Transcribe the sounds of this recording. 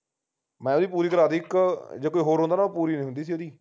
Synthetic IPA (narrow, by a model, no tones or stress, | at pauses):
mɛ̃ːoːd̪iːpuːɾiːkəɾaːd̪iːkd͡ʒeːkoːiːɦoːɾɦond̪aːnaoːpuːɾiːnẽĩːɦʊnd̪iːsiːoːd̪iː